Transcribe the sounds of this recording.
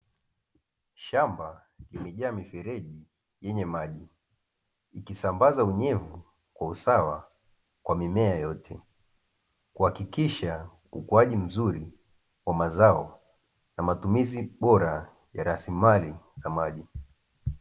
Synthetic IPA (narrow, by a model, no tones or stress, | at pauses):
ʃamba | limɛʄaːmifɛɾɛʄi | jɛɲɛmaʄi | ikisambazauɲɛvu | kwausawa | kwamimɛajɔtʰɛ | kuhakikiʃa | ṵkuaʄim̩zuɾi | wamazaɔ | namatumiziɓɔɾa | jaɾasimalizamaʄi